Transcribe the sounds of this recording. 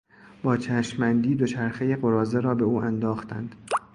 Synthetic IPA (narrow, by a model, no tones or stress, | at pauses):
b̥ɒːt͡ʃʰæʃmænd̪iːd̪o̞t͡ʃʰæɾxejeɢo̞ɾɒːzeɾɒːbe̞uːʔænd̪ɒːxt̪ʰæ̰nd̪̥